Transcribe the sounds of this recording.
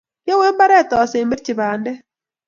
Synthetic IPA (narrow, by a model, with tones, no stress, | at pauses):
jo˦we˦mba˦ɾɛ˦˨tɔ˨se˨mɪ˦ɾt͡ʃɪ˨βaː˨ndɛ˦